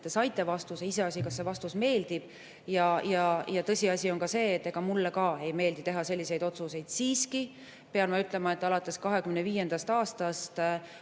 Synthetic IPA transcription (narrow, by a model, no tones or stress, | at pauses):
t̪ːesɑjt̪ːˑe̞vɑst̪useise̞ɑsʲikɑsːe̞vɑst̪usme̞ːld̪̥ib̥ | jɑjɑjɑt̪ɤ̞sʲiɑsʲionkɑse̞ːt̪ːe̞ɡ̥ɑmulːekɑe̞jme̞ːld̪it̪e̞ɦɑse̞lʲːise̞jd̪o̞t̪suse̞jd̪̥siːski | peɑnmɑyt̪ˑle̞mɑe̞t̪ːˑɑlɑt̪ːˑe̞skɑɦekymneviːje̞nd̪̥ɑst̪ɑːst̪ɑst̪